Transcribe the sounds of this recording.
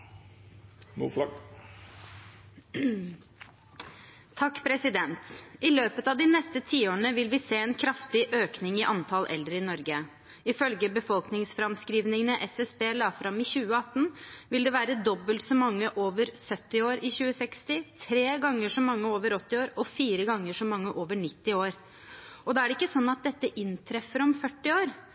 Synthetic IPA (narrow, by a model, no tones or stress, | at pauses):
nṵːflɑɡ | t̪ʰɑkːpʰɾɛsɪd̪ɛnt̪ɪløːpət̪ɑːʋd̪ɪnɛst̪ət̪ʰiːoːnəʋɪlʋɪseːɛːnkʰɾɑft̪ɪʔøːknɪŋɪʔɑnt̪ʰɑlʔɛ̰ld̪ɾəɪnɔɾɡə | ɪfœlɡəbəfɔlknɪŋsfɾɑmskɾiːʋnɪŋənəʔɛsɛsbeːlɑːfɾɑmɪçʉːəɑt̪ːənʋɪld̪ɛʋæːɾəd̪ɔbːəlt̪sɔmːɑŋːəʔoːʋəɾsœt̪ːɪoːɾɪçʉːəsɛkst̪ɪt̪ʰɾeːɡɑŋːəʂɔmːɑŋːəoːʋəɾɔt̪ːɪoːɾɔfiːɾəɡɑŋːəʂɔmɑŋːəʔoːʋəɳɪt̪ːɪoːɾ | ɔd̪ɛæɖɛɪkːəsɔnːɑt̪̚d̪ɛt̪ːəʔɪnt̪ʰɾɛfːəɾɔmfœʈːɪoːɾ